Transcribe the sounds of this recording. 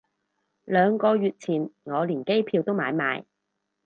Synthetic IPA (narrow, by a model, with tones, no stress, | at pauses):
lœː˨˧ŋkɔː˧ɥyː˨˧t̚t͡sʰiː˨˩nŋɔː˨˧liː˨˩nke˥jpʰiː˧wt̪o˥wmaː˨˧jma̰ː˨˧˥j